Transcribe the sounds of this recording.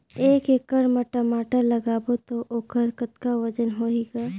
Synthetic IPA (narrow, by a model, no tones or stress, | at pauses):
eːkekəɽməʈəmaːʈəɾləɡaːbot̪oʔoːkəɾkət̪kaʋəd͡ʒənɦoːiːɡaː